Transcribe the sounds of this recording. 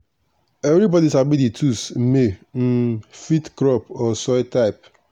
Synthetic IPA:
evɾibɔdisabiditʰusmem̩fitkɾɔpɔsɔjtaɪp̚

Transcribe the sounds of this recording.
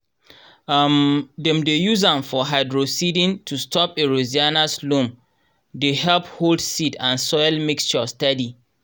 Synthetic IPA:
mdɛ̃mdejuzãmfɔɦaɪdɹosidĩntʰustʰɔpeɹozianaslũm | dehɛlpholdsidãnsɔjlmikst͡ʃɔstɛdi

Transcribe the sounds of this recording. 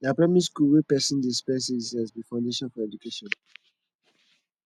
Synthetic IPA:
dapɹɛmiskuwepɛsĩndispɛs̬izazbifãʊ̃ndeʃɔ̃nfɔɹɛd͡ʒukeʃɔ̃n

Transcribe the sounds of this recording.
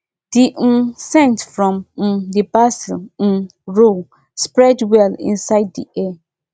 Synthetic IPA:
d̥im̩sɛ̃ntfɹɔ̃m̩dibasɪ̰l̩ | ɹol | spɹɛdwɛlḭ̃nsaɪddḭʔɛ

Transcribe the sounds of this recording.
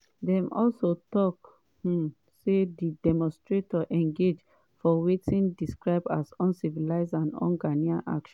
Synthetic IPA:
dɛ̃mʔɔlsotɔk | h̩ | sedidɛmɔ̃nstɹetʰɔʔɛ̃ŋɡed͡ʒ | fɔwetʰĩndiskɹaɪba̰sɔ̃nsivilaɪzãnɔ̰̃nɡaniãʔa̰kʃɔ̃

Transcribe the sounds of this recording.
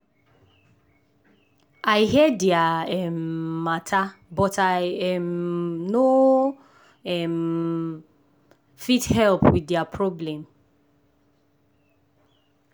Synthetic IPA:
ajɦɛdjaɛmːatʰabɔtajɛmno | ɛm | fithɛlpwidjapʰɹɔblɛ̃m

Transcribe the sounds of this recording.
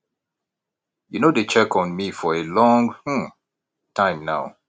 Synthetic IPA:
junodet͡ʃɛkɔ̃nmifɔelɔ̃ŋh̩ | tʰãɪ̃mnaʊ

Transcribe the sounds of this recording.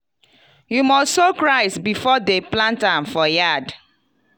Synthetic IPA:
jumɔssokɹaɪsbifɔdeplãntãmfɔjad

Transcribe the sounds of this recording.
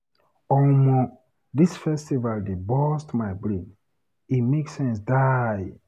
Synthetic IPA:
ɔlmɔ | disfɛstivaldebɔstmaɪbɾĩn | imeksɛ̃ns̬daj

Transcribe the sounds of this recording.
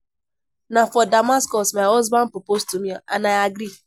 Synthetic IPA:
nafɔdamaskɔsmaɪɔzbãnpɾopostumiã̰naɪaɡɾi

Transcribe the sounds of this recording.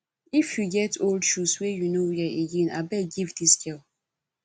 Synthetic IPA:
ifjuɡɛtʰoldʃuswejunojɛʔiɡina̰bɛɡivdiskɛl

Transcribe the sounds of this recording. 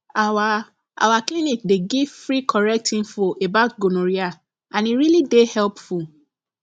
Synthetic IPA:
awa | a̰waklinikdeɡivfɹikʰɔɹɛk̚tʰĩnfɔʔebaʊtɡonoɹia | ãniɾilidehɛlpfu

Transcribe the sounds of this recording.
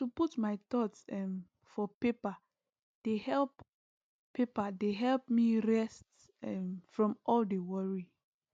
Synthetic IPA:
tuputmaɪtɔtsɛm | fɔpepa | d̥ehɛlp | pepadeɦɛlp̚miɹɛst | ɛmfɹɔ̃mɔldewɔɹi

